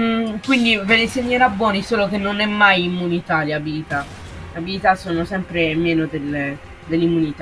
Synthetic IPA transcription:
kwind̪iveleseɲːoɾabːwɔːnisoːlok̟enːonɛmːajimːunit̪aleabilit̪a | eabilit̪asoːnosɛmpɾemːɛːnod̪el | d̪elːimːunit̪a

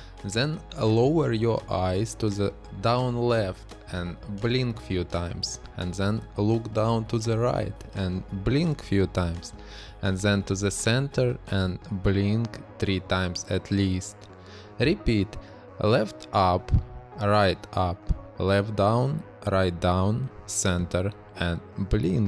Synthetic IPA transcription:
ðɛ̃nloʊə˞jɔ˞ʔaɪz̥tuðə | dãʊ̃nlɛft | ɨ̃nblɪ̃ŋkfjʉtʰãɪ̃mz̥ | ɨ̃nðɛ̃nlʊkdãʊ̃ntuðəɹa̰ɪt | ɨ̃nblɪ̃ŋkfjʉtʰãɪ̃mz̥ | ɨ̃nðɛ̃ntuðɨsɛ̃ntʰə˞ʔɨ̃nblɪ̃ŋkθɹitʰãɪ̃mz̥ɨtʰlist | ɹɪpit | lɛftʔʌpɹaɪtʌplɛfdãʊ̃n | ɹaɪt̚dãʊ̃nsɛ̃ntʰə˞ | ɨ̃nblɪ̃ŋ

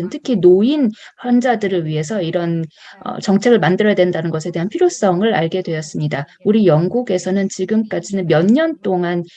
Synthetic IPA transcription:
ɯntʰɯ̥kʰinoinɸjʌnd͡ʑadɯɾɯɭɥiɦe̞s̬ʰʌiɾʌn | ʌ̰t͡ɕʌŋt͡ɕʰe̞ɡɯɭmandɯɾʌjadwe̞ndanɯnɡʌsʰe̞deɦanpʰiɾjos͈ʌŋɯɾa̰ɭɡe̞dwe̞jʌs͈ɯmɲida | uɾijʌŋɡuɡe̞sʰʌnɯnt͡ɕiɡɯmk͈ad͡ʑinɯnmjʌɲɲʌnt͈oŋan

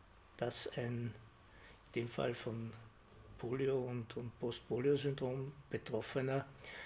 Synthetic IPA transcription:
d̥asæɪn | nd̥eːmfa̰lfɔn | pʰoːlioʊntʊntpʰɔst̚pʰoːliozʏndʁoːmb̥ətʁ̥ɔfənɐ

